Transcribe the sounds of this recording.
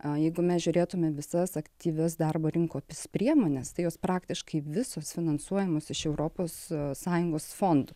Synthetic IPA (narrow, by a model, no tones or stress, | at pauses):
jɛɪɡʊmʲɛsʒʲʊɾʲeːt̪ʊmʲɛʋʲɪsɐsɐkt̪ʲiːʋʲɛsd̪ɑrboːɾʲɪŋkoːpʲɪspʲɾʲiɛmoːnʲɛst̪ɐɪjoːspɾɑːkt̪ʲɪʃkɐɪʋʲɪsoːsfʲɪnɐnsuɔjɛmoːsɪʃɛʊɾoːpoːssɑːjʊŋɡoːsfoːnd̪ʊ